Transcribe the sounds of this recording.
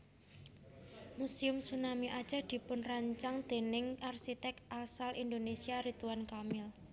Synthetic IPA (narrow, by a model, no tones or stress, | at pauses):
musiʊmsunamiʔad̥ʒ̥a̤d̪̥i̤pʊnraɲt͡ʃaŋd̪̥e̤nɪŋʔarsit̪ɛk̚t̪asalʔind̪onesiaɾit̪uwankamɪl